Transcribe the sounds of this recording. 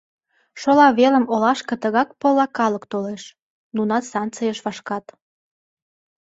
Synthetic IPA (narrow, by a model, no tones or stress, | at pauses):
ʃolɑβelə̆molɑʃkət̪əɣɑk̚pə̆lɑkɑləkt̪oleʃ | nunɑt̪sɑnt͡səjəʃβɑʃkɑt̪